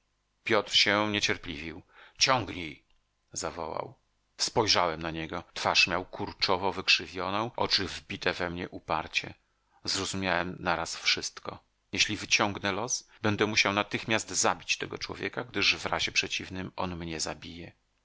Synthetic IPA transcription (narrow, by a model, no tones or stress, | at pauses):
pʲjɔt̪ɾɕɛɲet͡ɕɛɾplʲivʲiwt͡ɕɔŋɡɲej | zavɔ̰wa̰w | spɔjʐawɛmnaɲɛɡɔt̪faʂmʲjawkʰuɾt͡ʂɔvɔvɘkʂɘvʲjɔnɔ̃w̃ʔɔ̰t͡ʂɘvbʲit̪ɛvɛmɲɛʔupa̰ɾt͡ɕɛ̰ | zɾɔzumʲjawɛmnaɾasfʂɘst̪kɔ̰ | jeɕlʲivɘt͡ɕɔŋɡnɛlɔsbɛnd̪ɛmuɕawnat̪ɘxmʲjast̪zabʲit͡ɕt̪ɛɡɔt͡ʂwɔ̰vʲjɛkaɡd̪ɘʐvɾa̰ʑɛpʂɛt͡ɕivnɘmɔnmɲɛzabʲijɛ